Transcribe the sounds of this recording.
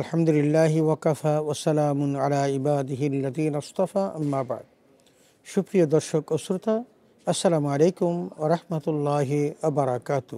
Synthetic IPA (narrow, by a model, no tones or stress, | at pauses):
ɐlħamd̪ʊlɪlːaːɦɪwɐkɐfaːwɐsɐlaːmʊnʕalaːʕɪbaːd̪ɪɦɪɐlːɐðiːnɐst̪ɑfaːʔɐmːaːba̰ʕd̪̚ | ʃʊkɾijad̪ɐɾʃɐkʊsɾt̪a | ɐsːɐlaːmʕaleːkʊmwɐɾˤɑħmɐt̪lːɑːɦiwɐbɐɾˤɑkaːt̪ʊ